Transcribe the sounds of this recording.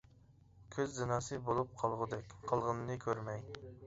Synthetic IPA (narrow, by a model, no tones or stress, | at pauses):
kʲʰøzːɪnɑːsɨbolˠup̚qʰɑlˠʁʊd̪ɛkʲqʰəlˠʁənnɨkʲʰøɾmɛj